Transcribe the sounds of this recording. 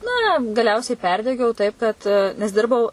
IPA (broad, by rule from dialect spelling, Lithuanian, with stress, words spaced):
nɐ ɡɐˈlʲɛʊsʲɛɪ ˈpʲɛrʲdʲɛɡʲɛʊ ˈtɐɪp kɐt nʲɛs ˈdʲɪrbɐʊ